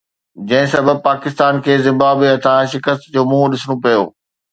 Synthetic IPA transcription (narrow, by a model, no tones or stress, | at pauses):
d͡ʑɐ̃ɦɪ̃sɐbəb̚paːkɪst̪aːnkʰeːzɪ̃mbaːbiɐt̪ʰãʃɪkəst̪d͡ʑoːmũːɦɗɪsɽ̃õpɐjo̰ː